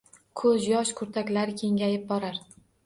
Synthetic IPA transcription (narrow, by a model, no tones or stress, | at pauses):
kʰɵzjɒʃkʰʊɾt̪ʰakʲlaɾɪkʲʰe̞ŋɡʲajɪp̚bɒɾaɾ